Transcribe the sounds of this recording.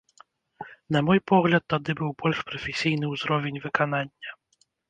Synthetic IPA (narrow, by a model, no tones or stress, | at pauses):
nɐmɔjpɔɣlʲɐt̪ːad̪ɨbɨwbɔlʲʂpɾɐfʲɛsʲijnɨwzɾɔvʲɛnʲvɨkananʲːɐ